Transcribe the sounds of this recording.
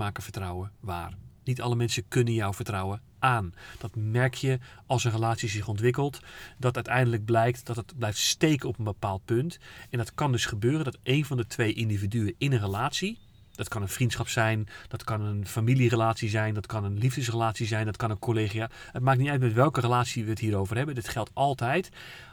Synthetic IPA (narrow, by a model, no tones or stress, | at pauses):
maːkəvəɹtrɔwəʋa̰ːrnitɑləmɛnsəkɵnənjɔwvəɹtrɔwə | ʔaːnd̥ɔtmɛɹkʰjəɑlˠsənrəlaːtsizɪχɔntʋɪkəlˠtdɔtœɥtɛjndələɡ̚blɛjktd̥ɔtətblɛjftstejkənɔpənbəpaːlˠt̚pøntɛndɑtkɑndɵsχəbøːrəndɔtejnvɑndətʰʋejʔindividyəɪnənrəlaːtsi | d̥ɔtkɑnənfrintsχɑpsɛjnd̥ɔtkɑnənfamilirəlaːtsizɛjndɑtkɑnənlivdəsrəlaːtsizɛjndɔtkɑnənkʰoleːχiaət̚maːk̚nitœɥtmɛtʋɛlˠkərəlaːtsiʋəətɦiːɾowvərɦɛbədɪtχɛlˠtɑlˠtɛjt